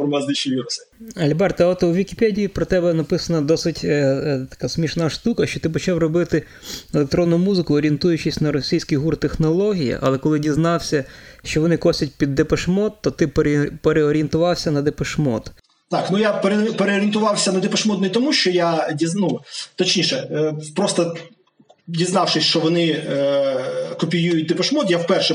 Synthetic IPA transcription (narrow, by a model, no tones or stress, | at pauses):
fɔrmɐzd̪ɪʃiʋʲiɾʊsɛɐlʲbɛrt̪ɐɔt̪wʋʲikʲipɛdʲijipɾɔt̪ɛbɛnɐpɪsɐnɐd̪ɔsɪtʲt̪ɐ̥kasʲmʲiʃnaʃt̪ukɐʃt͡ʃɔt̪ɪpɔt͡ʃɑwrɔbɪt̪ɪ | elˠek̚t̪ɾɔnːʊmuzɪkʊɔːɾʲent̪ujʊt͡ʃɪsʲnɐɾɔsʲijsʲkijɦurt̪exnɔlˠɔɦʲijḭʔɐ̰lˠɛkɔlˠɪdʲiznɑwsʲɐʃt͡ʃɔʋɔnɪkɔsʲɐt̚ʲpʲid̪ːepɐʃmɔt̪ːɔt̪ɪppeɾeɔɾʲient̪ʊʋɑwsʲɐnɐd̪epeʃmɔ̰t̪ | t̪ɑknujapeɾepeɾeɔɾʲiɪnt̪ʊʋɑwsʲɐnɐd̪epeʃmɔd̪nɔit̪ɔmuʃt͡ʃɔjadʲiznut̪ɔt͡ʃnʲiʃɛpɾɔst̪ɔ | dʲiznɑwʃɪsʲt͡ʃɔʋɔnɪ | kɔpʲijujʊt̚ʲd̪epɐʃmɔt̪jawpɛrʃɛ